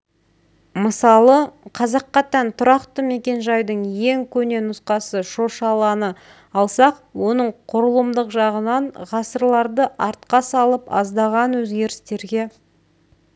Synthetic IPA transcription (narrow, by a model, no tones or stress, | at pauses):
məsɑlˠəqʰɑzɑqːɑt̪ɑnt̪ʰʊɾɑqt̪əme̞kʲe̞nʒɑjd̪əɴje̞ŋkʲʰɵne̞nʊsqɑsəʃo̞ʃɑlˠɑnə | ɑlˠsɑqwo̞nəɴqʰʊɾəlˠəmd̪əqʒɑʁənɑɴʁɑsəɾlˠɑɾd̪əʔɑɾt̪̚qɑsɑlˠəpɑ̰zd̪ɑʁɑnwɵzɡʲe̞ɾɪst̪e̞ɾɡʲe̞